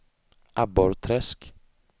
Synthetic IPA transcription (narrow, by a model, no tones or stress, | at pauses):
ʔabɔɾt̪ʰɾɛsk